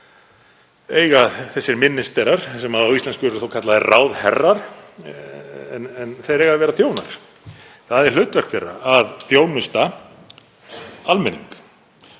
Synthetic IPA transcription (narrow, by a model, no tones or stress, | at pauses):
eːjɣaðθɛsːɪɾmɪnːɪst̪ɛɾaɾ̥sɛmaawist̪lɛnskʏɾθowkʰat̪laðɛraːwðhɛrːaɾ̥ | nɛnθejɾejɣaðvɛːɾaθjoːwna̰ɾ̥ | θaðɛɾ̥l̥ʏːt̪vɛ̥kfɪrːa̰aðθjoːwnʏst̪a | almɛnːḭŋk